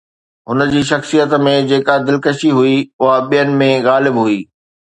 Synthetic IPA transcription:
ɦʊnə̆d͡ʑiːʃ̬ɐxsijət̪mẽd͡ʑeːkad̪ɪlkəʃiɦuiʊɦaɓijənɪ̆mẽɣaːlɪbɦuiː

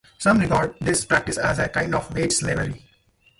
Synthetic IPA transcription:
sʌ̃mɾɪɡaːɾɖ̚ɖɪspɾæk̚ʈɪsæzekãɪ̃ɳɖɔːfʋeːʈsɪleʋəɾi

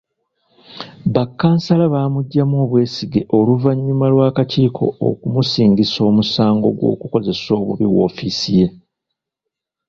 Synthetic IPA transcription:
βakːaːnsalaβaːmuɟːamo̞ːβwe̞ːsiɡe̞ʔo̞luvaɲːumalwaːkaciːkʰo̞̰o̰kumusiːŋɡiso̞ːmusaːŋɡo̞̰ɡwo̰ːkuko̞ze̞so̞ːβuβiwo̞̰ːfisije̞

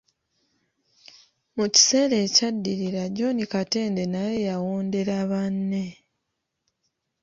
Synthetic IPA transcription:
muci̥se̞ːle̞ːcadːiɾiɾaɟo̞nikate̞ːnde̞najejawoːnde̞ɾaβanːe̞

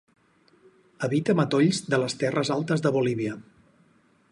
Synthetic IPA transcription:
əβit̪əmət̪oʎzd̪ələst̪ɛrəzalˠt̪əzðəβuliβ̞iə

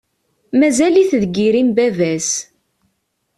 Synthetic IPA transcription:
mæzæliθðɡiɾimbævæs

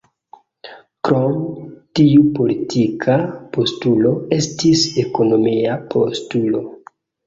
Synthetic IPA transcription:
kɾo̞mtiupo̞litʰikʰapo̞stulo̞e̞stise̞ko̞no̞miapʰo̰stulo̞

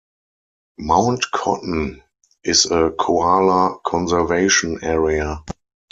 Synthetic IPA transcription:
mãʊ̃ntkʰɔ̰tn̩ | ʔɪsəkʰoalakʰɔ̃nzɛveɪʃɔ̃nɛɹia

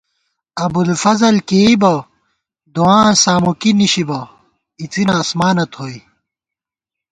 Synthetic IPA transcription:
ɐbulfɐzɐlkeibɐ | d̪uãːsaːmukiniɕibɐ | it͡sinɐːsmaːnɐt̪ʰhoːi

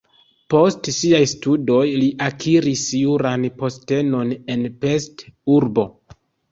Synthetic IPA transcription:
po̞stsiajstudo̞jliʔakʰiɾisjuɾanpo̞ste̞no̞ne̞npe̞stuɾbo̞

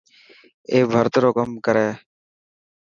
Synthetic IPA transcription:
eːbʱəɾt̪ɾoːkəmkəɾeː

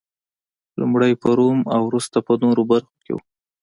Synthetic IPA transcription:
lumɽajpəɾomawɾust̪apənoɾobaɾxo̥kḛwu

